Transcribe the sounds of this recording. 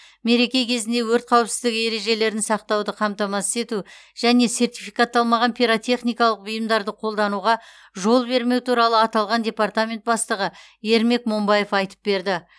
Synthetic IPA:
me̞ɾe̞kʲe̞kʲʰe̞zɪnd̪e̞wɵɾt̪̚qʰɑwəpsɪzd̪ɪkʲe̞ɾe̞ʒe̞le̞ɾɪnsɑq̚t̪ɑwd̪əqʰɑmt̪ɑmɑsɪ̥se̞t̪u | ʒ̥æne̞se̞rt̪ʲijfijkat̪ːɑlˠmɑʁɑnpʰʲiɾot̪ʲʰe̞χnijkɑlˠəq̚bʊjəmd̪ɑɾd̪əqʰo̞lˠd̪ɑnuʁɑ | ʒo̞lˠbe̞ɾme̞wt̪ʰuɾɑlˠəɑt̪ɑlˠʁɑnd̪ʲe̞part̪amʲe̞nt̪̚bɑst̪əʁə | e̞ɾme̞kmo̞mbɑje̞fɑjt̪ə̥p̚be̞ɾd̪ɪ

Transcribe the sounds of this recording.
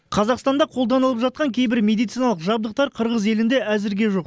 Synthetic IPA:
qʰɑzɑqst̪ɑnd̪ɑqʰo̞lˠd̪ɑnəlˠəpʒɑt̪̚qɑŋkʲʰe̞jbɪɾmʲe̞d̪ijt̪sijnɑlˠəqʒɑbd̪əq̚t̪ɑɾqʰəɾʁəze̞lɪnd̪e̞ʔæzɪɾɡʲe̞ʒo̞q

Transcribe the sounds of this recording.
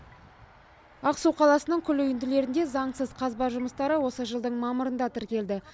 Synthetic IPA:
ɑqsuwqʰɑlˠɑsənəɴkʲʰʏlʏjʏnd̪ɪle̞ɾɪnd̪e̞zɑɴsəzqʰɑzbɑɾʒʊməst̪ɑɾəwo̞səʒəlˠd̪əɴmɑməɾənd̪ɑt̪ʰɪɾkʲe̞ld̪ɪ

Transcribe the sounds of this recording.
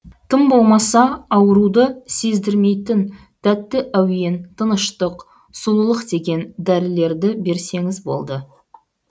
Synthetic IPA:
t̪ʰəmbo̞lˠmɑsɑɑwəɾud̪əse̞zd̪ɪɾme̞jt̪ɪn | t̪ʰæt̪ːɪʔæwje̞nt̪ʰənəʃt̪əq | sulˠəlˠəqd̪e̞ɡʲe̞nd̪æɾɪle̞ɾd̪ɪbe̞ɾse̞ŋɪzbo̞̰lˠd̪ə

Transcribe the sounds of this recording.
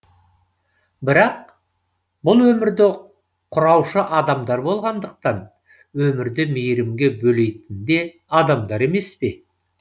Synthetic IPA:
bɪɾɑq̚ | bʊlˠwɵmɪɾd̪ɪ | qʰʊɾɑwʃəʔɑd̪ɑmd̪ɑɾbo̞lˠʁɑnd̪əq̚t̪ɑn | wɵmɪɾd̪ɪmejɾɪmɡʲe̞bɵle̞jt̪ɪnd̪e̞ | ɑd̪ɑmd̪ɑɾe̞me̞spe̞

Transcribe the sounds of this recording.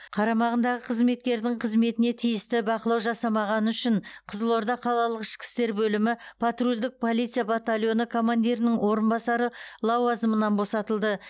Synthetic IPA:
qʰɑɾɑmɑʁənd̪ɑʁəqʰəzme̞t̪̚kʲe̞ɾd̪ɪŋqʰəzme̞t̪ɪne̞t̪ʰijɪst̪ɪbɑqəlˠɑwʒɑsɑmɑʁɑnəʏʃɪɴqʰəzəlˠo̞ɾd̪ɑqʰɑlˠɑlˠəqɪʃkʲɪ̥st̪e̞ɾbɵlɪmɪpʰat̪rulʲd̪ɪk̚pʰo̞lˠit̪sɨjabat̪alʲˠjo̞nəkʰo̞mand̪iɾɪnɪŋwo̞ɾənbɑsɑɾəlˠɑwɑzəmənɑnbo̞sɑt̪əlˠd̪ə

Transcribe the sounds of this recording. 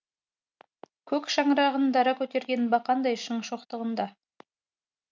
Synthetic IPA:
kʲʰɵkʃɑɴɾɑʁənd̪ɑɾɑkʲʰɵt̪e̞ɾɡʲe̞nbɑqʰɑnd̪ɑjʃəɴʃoqt̪əʁənd̪ɑ

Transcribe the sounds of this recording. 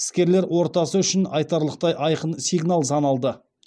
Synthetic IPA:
ɪ̥skʲe̞ɾle̞ɾwo̞ɾt̪ɑsəʏʃɪnɑjt̪ɑɾlˠəq̚t̪ɑjʔɑjqənsijɡnalˠsɑnɑlˠd̪ə

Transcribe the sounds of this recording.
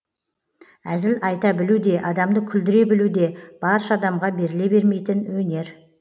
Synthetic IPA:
æzɪlɑjt̪ɑbɪlud̪e̞ʔɑd̪ɑmd̪əkʲʰʏld̪ɪɾe̞bɪlud̪e̞b̥ɑɾʃɑɑd̪ɑmʁɑbe̞ɾɪle̞be̞ɾme̞jt̪ɪnwɵne̞ɾ

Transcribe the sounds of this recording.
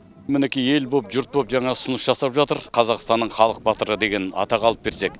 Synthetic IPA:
mɪnekʲije̞lbo̞pʒʊɾt̪̚bo̞pʒɑɴɑsʊnəʃʒɑsɑpʒɑt̪əɾqʰɑzɑʁəst̪ɑnːəɴχɑlˠəq̚bɑt̪əɾəd̪e̞ɡʲe̞nɑ̰t̪ɑqɑlˠəp̚be̞ɾse̞k

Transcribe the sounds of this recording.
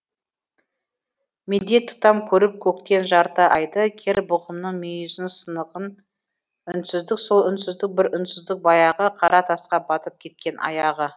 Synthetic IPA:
med̪e̞t̪ʰːu̥t̪ɑmkʲʰɵɾɪp̚kʲʰɵkt̪e̞nʒɑɾt̪ɑʔɑjd̪əkʲʰeɾbʊʁəmnəɴmejʏzɪnsənəʁən | ʏnsɪzd̪ɪkso̞lˠʏnsɪzd̪ɪk̚bɪɾʏnsɪzd̪ɪk̚bɑjɑʁəqʰɑɾɑt̪ʰɑsqɑbɑt̪əp̚kʲʰe̞t̪̚kʲe̞nʔɑ̰jɑʁə

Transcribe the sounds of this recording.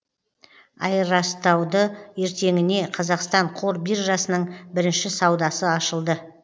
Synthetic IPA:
ɑ̰jɾɑst̪ɑwd̪əje̞ɾt̪e̞ŋɪne̞qʰɑzɑqst̪ɑɴqʰoɾbiɾʒɑsənəɴbɪɾɪnʃɪsɑwd̪ɑsəɑʃəlˠd̪ə

